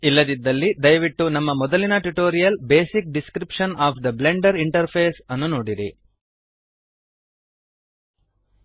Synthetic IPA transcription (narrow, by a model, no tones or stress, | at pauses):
ilːɐd̪id̪ːɐlːid̪ɐjɐʋiʈːunɐmːɐmɔd̪ɐlinɐʈuʈoːɾijɐlbeːsik̚ɖiskɾipʂɐnaːpʰd̪ɐbleɳɖɐɾiɳʈɐɾpʰeːsɐnːunoːɽiɾi